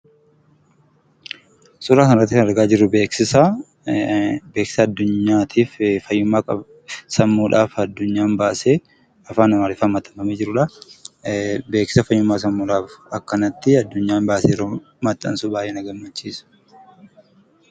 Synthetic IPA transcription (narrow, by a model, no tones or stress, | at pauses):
sʊɾaːkɐnɪɾɐt̪ːɪkɐnɐɾɡaːd͡ʒɪrːʊbe̞ːksɪsɐ | beːksɪ̥sɐːd̪ːʊɲːaːt̪ʰiːffɐjːʊmːaːkʼɐ̰ | sɐmːuːᶑaːfɐd̪ːʊɲːaːnbaːseː | ɐfaːnɐmaːɾɪfɐmːɐt̪ːɐmɐmeːd͡ʒɪɾʊᶑɐ | be̞ːksɪ̥sɐfɐjːʊmːaːs̬ɐmːuːᶑaːfɐkːɐnɐt̪ːɪɐd̪ːʊɲːaːnbaːseːɾoː | mɐt̪ːɐ̰nsʊbaːjeːnɐɡɐmːɐt͡ʃːiːsʊ̥